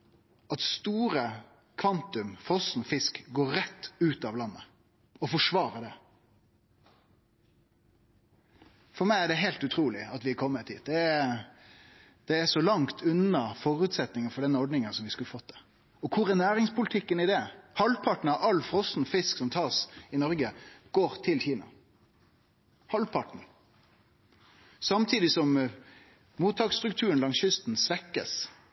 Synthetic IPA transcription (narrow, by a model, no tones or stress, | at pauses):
ɑt̪st̪uːɾə | kʰʋɑnt̪ʉmfɾɔsn̩fɪskɡoːɾɾɛt̪ːʉːt̪ɑʋlɑnːə | ɔfɔʂʋɑːɾədɛ | fɔɾmæɪæɖɛɦɛɪlt̪ʉt̪ʰɾuːlɪɑt̪ʋɪkʰɔmːət̪ʰːḭːt̪̚d̪ɛ | d̪̥ɛæʂɔlɑŋt̪ʰʉnɑfɔːɾʉːt̪sɛt̪nɪŋənfɔɖɛnɔɖnɪŋənsɔmʋɪskʉlːəfɔt̪̚d̪ɛ | ɔkʰʊɾɛnæːɾɪŋspʰʊlɪt̪ʰɪkːənɪd̪ɛhɑlpʰɑʈɳ̩ɑʋɑlːfɾɔsn̩fɪsksɔmt̪ʰɑːsɪnɔɾɡəɡ̥oːɾt̪ʰɪlçiːnɑ̰ | hɑlpʰɑʈɳ̩ | sɑmt̪ʰiːd̪ɪsɔm | muːt̪ʰɑːksst̪ɾʉk̚t̪ʰʉːɾənlɑŋsçʏst̪n̩sʋɛkːə̰s